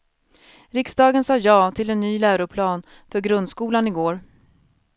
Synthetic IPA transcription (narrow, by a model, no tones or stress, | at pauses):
ɾɪksd̪ɑːɡənsɑːjɑːt̪ʰɪlɛnːyːlæːɾʊpʰlɑːn | fœɾɡɾɵnd̪skuːlanɪɡoːɾ